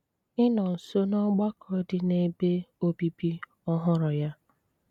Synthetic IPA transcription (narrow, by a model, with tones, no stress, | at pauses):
ɪ˦nɔ˨n̩˨so˦nɔ˦ɡ͡ba˦kʰɔ˨˦dɪ˦ne˦be˦o˦bi˦bi˦ | ɔ˦ɦʊ˦ɾɔ˨ja˦